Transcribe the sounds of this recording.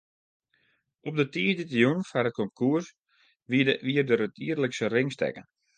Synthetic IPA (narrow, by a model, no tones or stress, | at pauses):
ʔɔp̚dətiːəditəjunfarət̚kʰɔmkʰuərs | ʋiʋiərdəɾətʰiərləksərɪŋstɛ̰kən